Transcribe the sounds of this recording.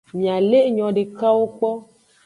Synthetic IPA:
mĩ˨ã˨le˦ɲɔ̃˨ɖe˨ka˦wo˦k͡pɔ˦

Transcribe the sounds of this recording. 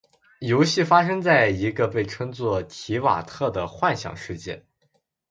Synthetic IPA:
jo˧˥ʊɕi˥˩fa˥ʂ̬ɤ˥ŋt͡sa˥˩ɪi˧˥ɡə˧pe˥˩ɪʈ͡ʂʰɤ˥ŋt͡swɔ˥˩t̪ʰi˧˥wa̰˨˩t̪ʰɤ˥˩d̪ə˩xwa˥˧nɕjɑ̰˨˩ŋʂɻ̩˥˧t͡ɕjɛ̰˥˩n

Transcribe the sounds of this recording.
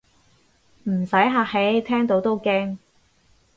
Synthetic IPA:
m̩˨˩sɐ˨˥jɦaː˧k̚he˨˥jt̪ʰɛː˥ŋt̪o˨˥wt̪o˥wkɛː˥ŋ

